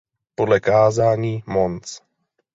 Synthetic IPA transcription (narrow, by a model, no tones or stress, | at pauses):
podlɛkaːzaːɲiːmont͡s